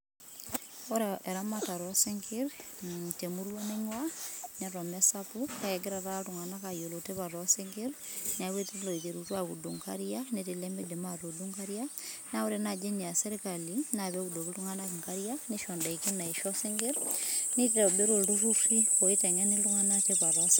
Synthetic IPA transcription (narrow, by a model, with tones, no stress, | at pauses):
oɾaʔɛ˨ɾamata˨ɾɔseŋɡiɾtemuɾwaneɲwaneɾɔmɛsapukaɛ˨ɡe˦ɾa˨tatuŋanakajo˨loteβaɾɔseŋɡiɾnawe˦telo˨e˨t͡ʃe˨ɾutwaɣu˨duŋka̰ɾiane˦te˨le˦mbe˦de˨ma˦to˨du˦ŋka˦ɾja˦na˦o˦ɾena˨d͡ʒe˦ɲ˨a˨se˦ɾika˨lina˨βɛ˦kudo˨ki˦tu˦ŋa˦naki˨ŋkaɾja˦neʃɔ˨nda˨ike˦na˨e˨ʃɔ˦se˦ŋɡi˦ɾni˦te˨be˦ɾo˨ldu˦ru˦ɾi˦o˨e˦tɛ˨ŋɛ˦ni˦tu˦ŋa˦na˦tepa˨ɾɔs